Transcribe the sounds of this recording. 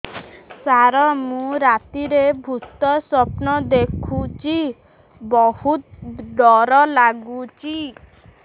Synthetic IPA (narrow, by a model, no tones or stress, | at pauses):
saɾɔmũɾat̪iɾebʱut̪ɔsɔpnɔd̪ekʰut͡ʃi | bɔhut̪ɖɔɾɔlaɡut͡ʃi